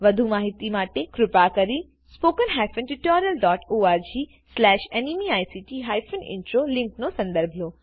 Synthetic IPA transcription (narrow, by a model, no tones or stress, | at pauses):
ʋɐd̪ʱumaːɦɪt̪imaːʈekɾʊpakɐɾi | spoːkənɦaːjfənʈɪʈɔːɾijəlɖɔːʈoːaːɾd͡ʑiː | slɛːʃenimiaːjsiːʈiɦaːjfʰənɪ̰̃ɳʈɾoːlɪ̃ŋknosɐ̃nd̪əɾbʱloː